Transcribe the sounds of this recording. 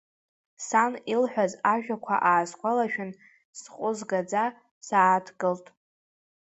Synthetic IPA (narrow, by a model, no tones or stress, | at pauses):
sanilħʷᶣazaʒᶣakʷʰa̰ʔaːzkʷʰalaʃᶣʊn | sqʷʼʊzɡad͡za | saːtʰɡɨltʼ